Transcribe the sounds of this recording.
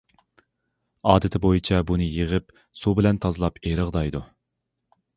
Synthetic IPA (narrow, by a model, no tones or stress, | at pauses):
ɑːd̪ɪt̪ʰɪbojit͡ʃʰɛbunɨjiʁəp | subɪlɛnt̪ʰɑzɨlˠɑpeɾəʁd̪ɑjd̪u